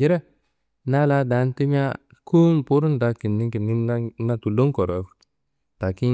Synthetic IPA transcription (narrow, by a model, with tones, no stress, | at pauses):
d͡ʒi˦ɾɛ˦ | na˦la˦da˨˦n˦ti˦m˦a˦ | ku˦mpu˦ɾu˦nda˨ki˨nːi˦ŋki˨ni˦na˦tu˨lo˦ŋ˦kɔ˨ɾɔ˨ | ta˨ki˦